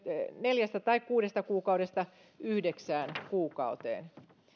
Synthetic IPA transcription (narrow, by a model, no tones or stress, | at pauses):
neljæst̪æt̪ɑikkuːdest̪ɑkuːkɑuɾest̪ɑ | yhdeksæːnkuːkɑ̰ut̪ḛːn